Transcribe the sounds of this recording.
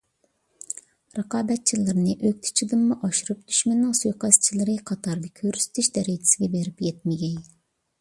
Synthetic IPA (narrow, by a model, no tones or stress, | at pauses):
ɾɨqɑːbɛt̪̚t͡ʃʰilˠɨɾnɨʔøk̚ʲt̪ʰɪ̥t͡ʃʰid̪ɨmmuʔɑʃuɾup̚d̪̥yʃmɛnːɪŋsujqɑst͡ʃʰilˠɨɾɨqʰɑt̪ʰɑɾd̪ɑkʲʰøɾysɪ̥t̪ʰyʃd̪ɛɾɛt͡ʃʰɪ̥sɪɡʲɛbeɾɪpjɛt̪̚mɪɡʲɛj